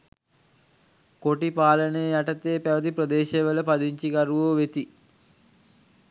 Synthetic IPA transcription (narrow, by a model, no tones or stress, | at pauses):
koʈipaːlənejəjaʈət̪eːpæʋət̪iprəd̪eːʃeʋələpad̪iɲt͡ʃikaɾuʋoːʋet̪i